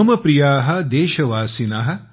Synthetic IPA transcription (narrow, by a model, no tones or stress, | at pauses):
ɐmɐpɾijaːɦɐ̆d̪eːʃɐʋaːsinaːɦɐ̆